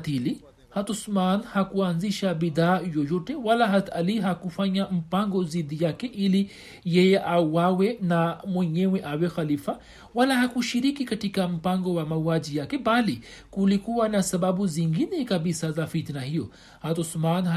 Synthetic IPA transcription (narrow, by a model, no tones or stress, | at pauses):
t̪ili | hat̪ɔsmanhakuanziʃabiðaːjɔjɔtɛwalaɦataliɦakufaɲam̩paŋɡɔzidijakɛʔili | jɛjɛʔawawɛnamwɛɲɛwɛʔawɛxalifa | walahakuʃiɾikikatikam̩paŋɡɔwamauad͡ʒijakɛbalikulikuwanasabaɓuziŋɡinɛkabisazafit̪nahijɔ | hat̪ɔsman